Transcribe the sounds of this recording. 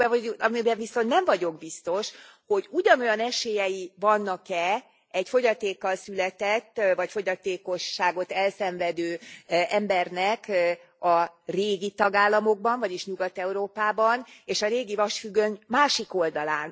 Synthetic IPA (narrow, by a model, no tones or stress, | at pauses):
ɛɒmibɛɱviso̞nt̪nɛɱvɒɟo̞ɡbist̪o̞ʃ | ho̞ɟuɟɒno̞jɒnɛʃeːjɛjivɒnːɒkɛ | ɛɟfo̞ɟɒt̪eːkːɒlsylɛt̪ɛt̪ːvɒcfo̞ɟɒt̪eːko̞ʃːaːɡo̞t̪ɛlsɛɱvɛd̪øːɛmbɛrnɛk | ɒreːɡit̪ɒɡaːlːɒmoɡ̚bɒɱvɒɟiʃɲuɡɒt̪ɛuɾoːpaːbɒneːʃɒɾeːɡivɒʃfyɡːøɲmaːʃiko̞ld̪ɒlaːn